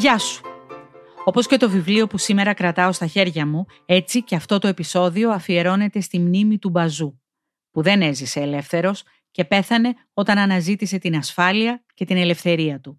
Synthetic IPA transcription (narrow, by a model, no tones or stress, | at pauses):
ʝɐsu̥ | o̞po̞sce̞t̪o̞vivlio̞pusime̞ɾɐkɾɐt̪ɐost̪ɐçe̞ɾʝɐmu | e̞t͡siceɐft̪o̞t̪o̞e̞piso̞ðio̞ɐfie̞ɾo̞ne̞t̪e̞st̪imnimit̪ubɐzu | puðe̞ne̞zise̞ːle̞fθe̞ɾo̞s | ce̞pe̞θɐne̞ | o̞t̪ɐnɐnɐzit̪ise̞t̪inɐsfɐliɐce̞t̪ine̞le̞fθe̞ɾiɐt̪u